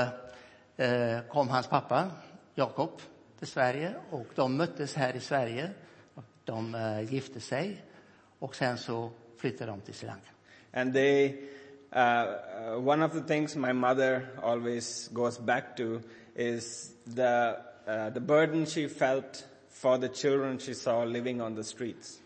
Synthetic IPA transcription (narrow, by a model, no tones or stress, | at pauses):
kʰɔmːɦanspʰapːajɑːkɔp | t̪ʰɪlsvæɾjəɔkd̪ɔmːœt̪ːəshæːɾɪsvæɾjəɔd̪̥ɔmjɪft̪ʰəsɛj | ɔksɛnsɔflʏt̪ʰːad̪ɔmt̪ʰɪlsɪla̰ŋk | ʔæ̃nd̪e | wʌ̃nɔvd̪ət̪ɪ̃ŋzmaɪmʌd̪əɾɔːlwezɡoːzbæk̚ʈu | ʔɪzd̪ə | d̪əbəɾɖn̩ʃifɛlʈ | fɔɾd̪ət͡ʃɪldɾə̃nʃisɔːlɪʋɪ̃ŋə̃nd̪əsʈɹiːts